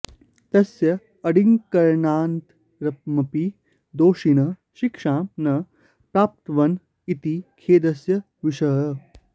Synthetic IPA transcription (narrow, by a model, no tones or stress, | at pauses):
t̪ɐsjɐː | ɽiŋkɐɾɳaːnt̪ | ɾɐp̚mɐpi | d̪oːʂinɐ | ʃikʂãːnɐ | pɾaːp̚t̪ʋɐn | it̪ikʰeːd̪ɐsjɐ | ʋiʂɐjə